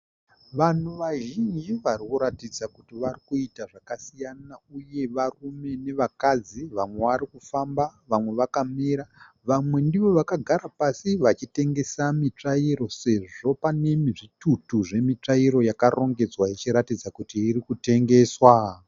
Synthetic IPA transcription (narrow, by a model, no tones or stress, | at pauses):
ʋan̤uʋaʒind͡ʒiʋarikuɾatid͡zakutiʋarikuitaʐakasijanauje̞ʋarume̞ne̞ʋakad͡ziʋamwe̞ʋaɾikufambaʋamwe̞ʋakamiɾa | ʋamwe̞ndiʋo̞ʋakaɡʱaɾapasiʋat͡ʃite̞ŋɡe̞samit͡ʂaiɾo̞se̞ʐo̞pane̞miʐitutuʐe̞mit͡ʂaiɾo̞jakarʔo̞ŋɡe̞d͡zwait͡ʃiɾatid͡zakutiːɾikute̞ŋɡe̞ːswa